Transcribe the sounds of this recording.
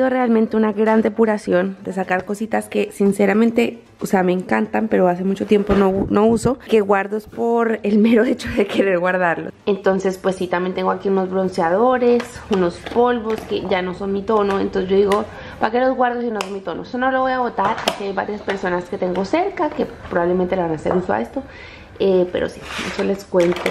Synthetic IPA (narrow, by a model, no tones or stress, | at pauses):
siðorealmẽnt̪e̞unaɣɾand̪e̞puɾasjo̞nd̪e̞s̬akaɾko̞sit̪aske̞sinse̞ɾamẽnt̪e̞ | oseame̞ːŋkant̪ampe̞ɾo̞as̬e̞mut͡ʃo̞t̪je̞mpo̞nono̞uso̞ke̞ɣwaɾðospo̞ɾelmeɾoet͡ʃoðeke̞ɾe̞ɾɣwaɾðaɾlose̞nt̪o̞nse̞spwe̞sːit̪amjent̪e̞ŋɡoakiuno̞zβɾo̞nsjað̞o̞ɾe̞suno̞spo̞lβo̞ske̞ʝano̞so̞nmit̪o̞no̞ent̪onseʝoðiɣo̞ | pake̞lozɣwaɾðosinosonmit̪o̞nosonoloβo̞jaβo̞t̪aɾakiajβaɾjaspe̞ɾso̞naske̞t̪e̞ŋɡo̞se̞ɾkake̞pɾoβaβlemẽnt̪eleβanaseɾusoa̰e̞st̪o̞ | epe̞ɾʔo̰si̥mḛsole̞skwe̞nt̪o